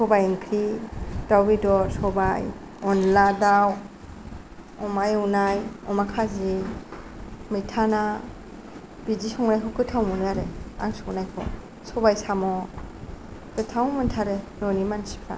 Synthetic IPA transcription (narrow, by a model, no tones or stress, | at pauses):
sɔbajɯŋkʰɾid̥awbidɔɾsɔbaj | ɔnladaw | ɔmajunajɔmakʰazi | mijtʰana | b̥izisɔŋnajkʰɔkɯtʰawmunaɾea̰ŋsɔŋnajkʰɔ̰ | sɔbajsamɔ | kɯtʰawmɯntʰaɾenɔnimansi̥pʰɾa̰